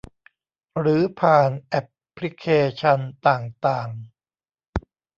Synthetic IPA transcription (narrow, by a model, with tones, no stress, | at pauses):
ɾɯː˩˦pʰaː˨˩nʔɛ˦˥pʰːli˦˥kʰːeː˧t͡ɕʰa˧nt̪aː˨˩ŋt̪aː˨˩ŋ